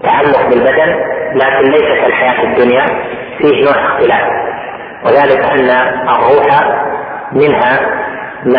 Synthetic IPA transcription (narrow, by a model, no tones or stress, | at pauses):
t̪ːaʕalːʊqbɪlbad̪anlaːkɪnlajsat̪alħajaːt̪ad̪ːʊnja | fiːhnoːʕɪxt̪ɪlaːf | wɪðaːlɪkʔanːaʔːrˤːuːħa | mɪnɦa | ma